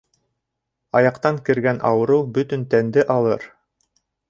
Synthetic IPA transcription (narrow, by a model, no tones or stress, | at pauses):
ɑjɑqt̪ɑŋkɘ̆ɾɡænʔɑ̰wɤ̆ɾɤwbɵ̆t̪ɵnt̪ænd̪ɘʔɑlˠɤɾ